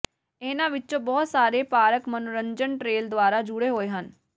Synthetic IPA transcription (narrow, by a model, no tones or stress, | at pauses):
eːnãːʋɪt͡ʃõːbɔːt̪saːɾeːpaːɾəkmənʊɾəɲd͡ʒəɳʈɾeːld̪ʊaːɾaːd͡ʒʊɽeːɦoːeːɦən